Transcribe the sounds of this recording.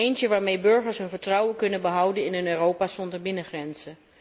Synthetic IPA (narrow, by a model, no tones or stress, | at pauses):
ejncəʋaːɹmejbɵɹχəɹsɦɵnvəɹtrʌwəkɵnənbəɦʌwdənɪnənørowpaːsɔndəɹbɪnəχrɛnz̥ə